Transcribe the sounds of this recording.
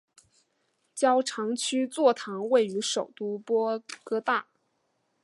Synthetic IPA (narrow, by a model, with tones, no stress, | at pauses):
t͡ɕjɑ˥ʊʈ͡ʂʰɑ˧˥ŋt͡ɕʰy˥t͡swɔ˥˩t̪ʰɑ˧˥ŋwe˥˩ɪy˧˥ʂo˨˩ʊt̪u˥pwɔ˥kɤ˥t̪a˥˩